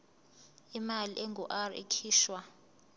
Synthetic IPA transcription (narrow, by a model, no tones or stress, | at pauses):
imaliʔɛŋɔʔarḛkʰiːʃwa